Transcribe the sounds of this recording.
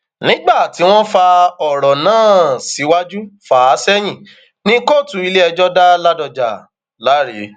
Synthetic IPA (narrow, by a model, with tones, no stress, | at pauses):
nĩ˦ɡ͡ba˦˨ti˨˦w̃ɔ̃˦fa˧ɔ˨ɾɔ˨nãː˦˨si˨˦wa˦d͡ʒu˦faː˨˦sɛ˦j̃ĩ˦˨ | nĩ˦ko˦˨tu˨˦i˧le˦ɛ˧d͡ʒɔ˦da˦la˦dɔ˧d͡ʒa˨ | la˨˦ɾḛ˨˦